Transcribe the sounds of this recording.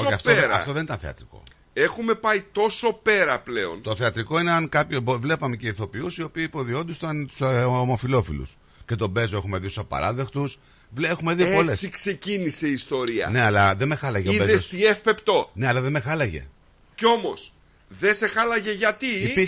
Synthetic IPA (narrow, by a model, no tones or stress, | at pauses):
oçɐftoɾɐ̰ft̪o̞ðenit̪ɐ̃θe̞ɐ̰t̪ɾiko̞̰ | e̞xume̞pɐit̪o̞so̞pe̞ɾɐple̞o̞̰nt̪o̞θeɐt̪ɾiko̞ineɐŋkɐpçovle̞pɐme̞ce̞iθo̞piusio̞piɐipo̞ðio̞nd̪ust̪nt̪u̥smofilo̞filṵs | ce̞t̪o̞be̞zoexume̞ðisusɐpɐ̰ɾɐðext̪us | ve̞xumeðioolesikse̞cinise̞iːst̪o̞ɾiɐ̰ne̞ɐlɐðeme̞xɐlɐʝeoeðesiefpe̞pt̪o̞ne̞ɐlɐðeme̞xɐlɐʝe̞̰ | ceo̞mo̞s | ðese̞xɐlɐʝeʝɐt̪ii